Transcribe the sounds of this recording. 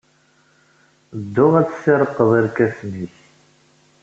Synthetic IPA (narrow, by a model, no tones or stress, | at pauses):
d̪ːʊʁæt͡sːsɪɾˤəqːəðˤiɾkæfniç